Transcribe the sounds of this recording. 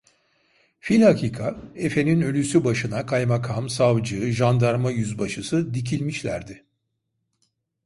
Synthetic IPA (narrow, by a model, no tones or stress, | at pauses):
filʲhakʰiːkʰae̞fe̞ninø̞lʲysybaʃɯnakʰajmakʰamsavd͡ʒɯːʒand̪aɾmajyzbaʃɯsɯd̪ic̬ʰilʲmiʃlʲæ̰ɾd̪ɪ